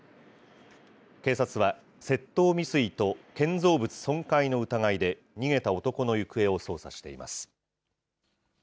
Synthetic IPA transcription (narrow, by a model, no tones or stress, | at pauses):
ke̞ːsat͡sɨβa | se̞t̪ːo̞ːmʲisɨit̪o̞kẽ̞nzo̞ːbɯ̟t͡sɨ̥sõ̞ŋkaino̞ɯ̟t̪aŋaid̪e̞ | ɲ̟iɡe̞t̪ao̞t̪o̞ko̞no̞jɯ̟kɯ̟e̞o̞so̞ːsa̰ɕi̥t̪e̞̰ima̰sɨ̥